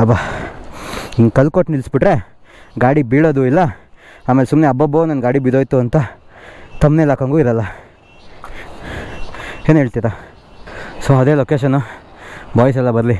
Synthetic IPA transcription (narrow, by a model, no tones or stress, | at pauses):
ɐba | kɐlkoʈnilsbiʈɾe̞ | ɡaːɽibiːɽoːd̪uilːɐ | aːmelesumneɐbːɐboːnɐnɡaːɽibid̪oːjt̪uɐnt̪ɐ | t̪ɐmnelaːkɐŋɡuiɾɐlːɐ | ɦeːnɦeːɭt̪iɾa | soɐd̪e̞ːloːkeːʃ̬ɐnːu | baːjs̬ɛlːɐbɐɾli